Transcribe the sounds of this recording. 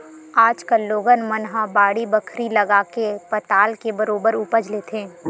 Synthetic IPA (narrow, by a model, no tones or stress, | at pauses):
aːd͡ʒkəlːoːɡənmənɦabaːɽibəkʰɾilɐɡaːkepɐt̪aːlkebɐɾoːbəɾʊpəd͡ʒlet̪ʰẽː